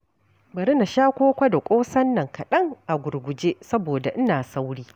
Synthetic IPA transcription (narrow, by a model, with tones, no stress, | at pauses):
bɐ˨ɾɪ˦na˨ʃaː˦kʷoː˦kʷa˦da˨kʷʼoː˦sɐ˦nːɐ˨ŋkɐ˨ɗɐ˦ŋʔa˨ɡʷʊ˨rɡʷʊ˨d͡ʒeː˦sɐ˦boː˨da˨ʔɪ˦naː˨sa˦wɽiː˦